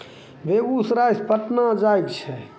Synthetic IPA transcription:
beɡusɾajspəʈnad͡ʒajkt͡ʃʰɛ

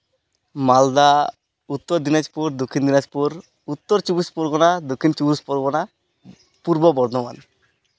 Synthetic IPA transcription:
mald̪a | ut̪ːɔɾd̪inat͡ʃpuɾd̪ukʰːind̪inat͡ʃpuɾ | ut̪ːɔɾt͡ʃubispɔɾɡɔnad̪ukʰːint͡ʃuɾuspɔɾɡɔna | puɾbɔbɔɾd̪ɔma̰n

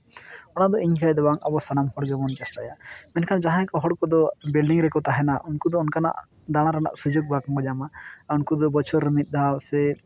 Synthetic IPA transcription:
ɔnad̪ɔiɲkʰajd̪ɛbaŋabɔsanamhɔɽɡɛmɔnd͡ʒasʈajamɛnkʰand͡ʒaɦãkɔɦɔɽkɔd̪ɔbilɖiŋɾɛkɔt̪aɦɛnaʔunkud̪ɔɔnkana̰ʔ | d̪aɽ̃aɾana̰ʔsud͡ʒuɡ̚bakmɔɡd͡ʒamaunkud̪ɔbɔt͡ʃʰɔɾəmit̪̚ˀd̪asɛ

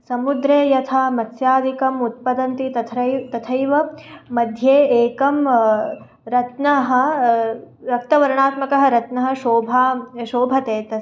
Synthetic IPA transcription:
sɐmud̪ɾeːjɐt̪ʰaːmɐt̪sjaːd̪ʱikɐmut̪̚pɐd̪ɐnt̪it̪ɐt̪ʰɐt̪ɐt̪ʰɐjʋɐmɐd̪ʱjeːeːkɐm | ɾɐt̪nɐɦɐ̆ | ɾɐk̚t̪ɐʋɐɾɐɳaːt̪mɐkɐɦɐ̆ɾɐt̪nɐɦɐ̆ʃoːbʱaːʃoːbʱɐt̪eːt̪ɐs

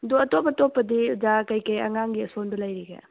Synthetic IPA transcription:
ɐduɐtopɐtopːɐdizakɐjkɐjɐ̰ŋaŋɡiɐsondulɐjɾiɡḛ

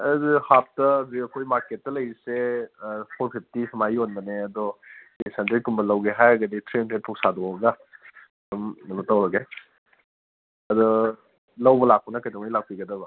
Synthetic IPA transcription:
ɐzihap̚tɐːziɐkʰojmaɾket̚ːɐlɐjise | pʰoɾpʰip̚ʰtisʰɐmajonbɐneɐdɔ | esantʰiɾikumbɐlɐwɡeɦajɡɐditʰɾentʰet̚pʰuk̚sadɔɐɡa | dɔmɐnutawɾɐɡe | ɐdɔ | lɐwbɐlak̚pɔnɐkajdɔŋnilak̚piɡɐdɐbɐ

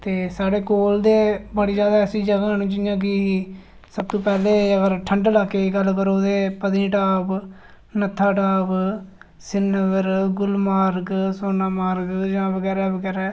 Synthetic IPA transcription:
t̪eːsaːɽeːkoːld̪eːbəɽiːd͡ʒjaːd̪aːəsĩːd͡ʒəɡaːnːd͡ʒɪjãːk̬ɪiː | səb̚t̪õːpɛːleːəɡəɾʈʰəɳɖlaːkeːiɡəlkəɾoːd̪eːpəd̪ĩːʈaːb | nət̪ʰːaːʈaːb | sɪnəɡəɾɡʊlmaːɾɡsoːnaːmaːɾɡd͡ʒãːʋəɡɛːɾɛːʋəɡɛːɾɛː

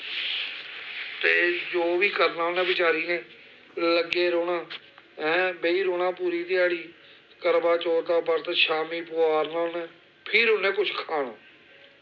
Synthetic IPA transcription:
t̪eːd͡ʒoːʋiːkəɾnaːonɛ̃ːbɪt͡ʃaːɾiːneː | ləɡeːɾoːɽaː | ɛ̃ːbeiːɾoːɽãːpuːɾiːd̪ɪaːɽiː | kəɾbaːt͡ʃoːt̪aːpəɾt̪eːʃaːmiːpʊaːɾnaːʊnẽː | pʰɪɾʊnẽːkʊt͡ʃʰkʰaːɳaː

